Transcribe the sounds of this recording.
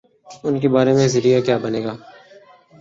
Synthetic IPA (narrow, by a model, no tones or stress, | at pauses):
ʊnkebaːɾemẽzɪɾijakjaːbɐneːɡaː